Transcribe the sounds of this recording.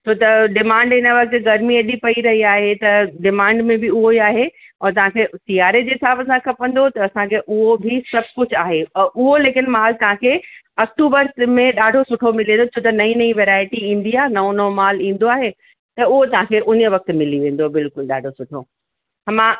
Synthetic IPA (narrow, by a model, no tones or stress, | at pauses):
t͡ɕʰoːt̪ɐɖɪmãːɳɖɪnəʋɐk̚t̪ɡɐɾmiɐɗipɐiɾɐɦiaːɦet̪ɐɖɪmãːɳɖmẽbʱɪʊɦoiaːɦe | ɔːɾt̪ɐʋ̤ãkʰesiaːɾed͡ʑɦɪsaːbɐsãkʰɐpɐ̃nd̪ot̪ɐːsãkʰeʔʊɦobʱɪsɐbʱkʊd͡ʑʱaːɦeʊɦoleːkɪnmaːlt̪ɐʋ̤ãkʰe | ɐk̚ʈuːbəɾmẽɗaːɖʱosʊʈʰomɪlẽːnd̪ot͡ɕʰoːt̪ɐnɐĩnɐĩʋeːɾaːɪʈiĩĩːn̆d̪iaːnɐonomaːlĩːn̆d̪oaːɦe | t̪ɐʊɦot̪ɐɦãkʰeʔʊnə̆ʋɐk̚t̪mɪliʋẽːn̆d̪obɪlkʊlɗa̰ːɖʱosʊʈʰo | ɐmã